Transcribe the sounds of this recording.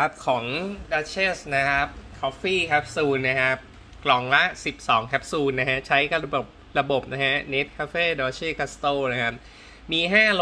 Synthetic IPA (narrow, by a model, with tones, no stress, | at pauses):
a˦˥p̚kʰɔː˩˦ŋdaː˧˥t͡ɕʰe˥˩sna˦˥kʰa˦˥p̚kʰɔː˦˥fiː˥˩kʰɛ˦˥p̚suː˧nːa˦˥kʰa˦˥p̚ | klɔː˩˦ŋla˦˥ʔsi˨˩p̚sɔː˩˦ŋkʰɛ˦˥p̚suː˧nːa˦˥kʰa˦˥t͡ɕʰa˦˥jka˧bo˨˩p̚ | ɾa˧bo˨˩p̚na˦˥kʰa˦˥ne˦˥t̪̚kʰaː˧˥feː˥˩dɔː˧t͡ɕʰeː˥˩kʰa˧˥st̪oː˥˩na˦˥kʰa˦˥p̚ | miː˧ɦaː˥˩